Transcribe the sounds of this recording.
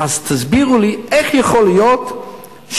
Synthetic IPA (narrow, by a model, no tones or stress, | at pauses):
azt̪ʰazbiʁuliɛχjəχolijot̪ | ʃ